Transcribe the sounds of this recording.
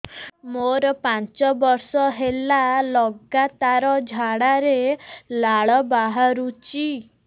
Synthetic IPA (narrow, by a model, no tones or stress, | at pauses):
moɾpãɲt͡ʃɔbɔɾsɔɦelalɔɡat̪aɾɔd͡ʒʱaɽaɾelaɭɔbaɦaɾut͡ɕi